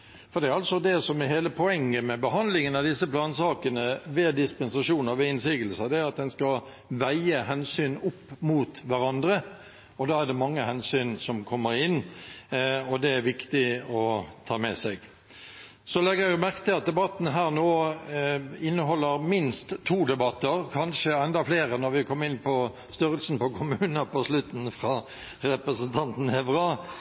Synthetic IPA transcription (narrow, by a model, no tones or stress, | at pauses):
fɔɾd̪ɛæɾɑlsɔd̪ɛsɔmɛɦheːləpʰɔɛŋːəmɛbəɦɑnd̪lɪŋənɑd̪ɪsːəplɑːnsɑːkənəʋeːd̪ɪspɛnsɑʂuːnɑʋeɪnsiːɡəlsəd̪ɛæɑt̪̚d̪ɛnskɑ | ʋæɪəɦɛnsyːnʊpːmuːt̪ʋæɾɑnd̪ɾə | ɔd̪ɑːæʁd̪ɛmɑŋːəhɛnsyːnsɔmkʰɔmːəɾɪnː | ɔd̪ɛæɾʋɪkt̪ɪɔt̪ʰɑːmɛ̰sɛɪɡ̥ | sɔlɛɡəjʊmæʁkə̥t̪ʰɪlɑt̪̚d̪ɛbɑt̪n̩ɦæːʁnoː | ɪnːəɦɔlːəɾmɪnst̪ʰːuːd̪ɛbɑt̪ːəɾkʰɑnʃəɛnd̪ɑfleːɾənɔɾʋɪkʰɔmːɪnːpʰɔ | st̪ʏɾəlsn̩pɔkʰʊmʉːnəpɔslʉt̪n̩fɾɑ | ɾɛpɾəsənt̪ʰɑnt̪n̩ɛʋɾɑː